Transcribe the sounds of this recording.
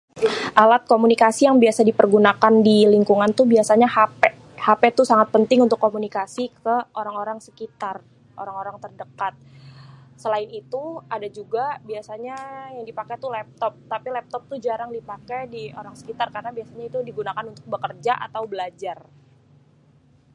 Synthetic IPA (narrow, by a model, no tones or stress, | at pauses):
ʔalat̪̚komunikasijaŋbiasadipərɡunakandiliŋkuŋant̪ubiasaɲahapɛ | hapet̪usaŋat̪̚pənt̪ɪŋunt̪ʊkːomunikasikəoɾaŋoɾaŋsə̥kit̪ar | ʔo̰ɾaŋoɾaŋt̪ərdəkat̪̚ | səlaɪnit̪uadad͡ʒuɡabiasaɲajaŋdipakɛt̪ulɛp̚t̪ɔp̚t̪apilɛp̚t̪ɔp̚t̪ud͡ʒaɾaŋdipakɛjdioɾaŋsə̥kit̪arkarnabiasaɲait̪udiɡunakanunt̪ʊk̚bəkərd͡ʒaʔa̰t̪awbəlad͡ʒar